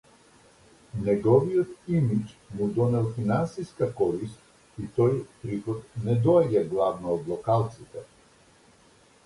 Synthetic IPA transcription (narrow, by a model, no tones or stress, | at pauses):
nɛɡɔvijɔt̪imit͡ʃmud̪ɔnɛlˠfinansiskakɔɾist̪̚ | it̪ɔjpɾixɔt̪̚nɛd̪ɔɛɟaɡlˠavnɔːd̪lˠɔkalˠt̪sit̪ɛ